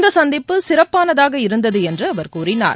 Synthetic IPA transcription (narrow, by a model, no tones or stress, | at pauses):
nd̪ɐsɐnd̪ɪpːɯsɪrɐpːaːnɐðaːɣɐɪɾɯnd̪ɐðɯɛndrɯɐʋɐɾkuːrɪna̰ːɾ